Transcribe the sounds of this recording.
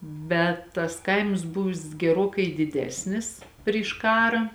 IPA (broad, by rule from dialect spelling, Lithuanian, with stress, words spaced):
ˈbʲɛt tɐs ˈkɐɪms ˈbʊʋʲɪs ɡʲɛˈroːkɐɪ dʲɪˈdʲæːsʲnʲɪs pʲrʲɪʃ ˈkɑːrɑː